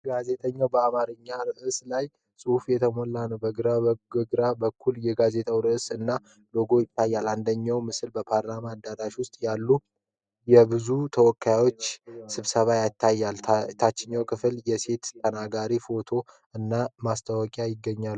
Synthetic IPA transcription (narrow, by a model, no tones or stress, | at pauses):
ɡaze̞t̪ʼəɲːawbəamaɾɨɲːaɾɨʔɨslaj | sʼɨfjɛt̪ʰəmolːanəbəɡɨɾaɡɨɾabəkʰːuljɛɡaze̞t̪ʼawɾɨʔsɨnːa | lo̞ɡo̞jɪt̪ʰːajːaland̪əɲːawmɨsɨlbəpʰaɾlamad̪aɾaʃwʊst̪ʼjalːu | jɛbɨzut̪ʰəwɔkʰːajawo̞t͡ʃːsɨβsəβajat̪ʰːajːalt̪ʰat͡ʃːɪɲːawkʰɨfɨljɛse̞t̪ʰːənaɡaɾifo̞t̪ʰo̞ | ɨnːamast̪ʰawɔkʼjajɪɡːəɲːal